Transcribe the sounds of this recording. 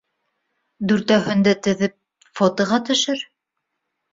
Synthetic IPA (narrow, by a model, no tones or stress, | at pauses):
d̪ʉɾt̪æɦɵ̆nd̪æt̪ɘ̆ðɘp̚ | fot̪ɤ̆ʁɑt̪ɵ̆ʃɘɾ